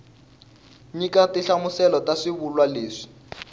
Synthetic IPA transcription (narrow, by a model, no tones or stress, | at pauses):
ɲikatiɬamusɛlɔtaʂiβulwaleːʂi̥